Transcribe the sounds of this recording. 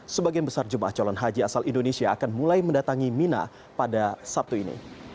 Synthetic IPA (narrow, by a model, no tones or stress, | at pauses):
səbaɡianbəsard͡ʒumʔa̰ht͡ʃɔlɔnɦad͡ʒiasalindonesiaːkanmulajməndat̪aŋimina̰ | padasap̚t̪uinḭ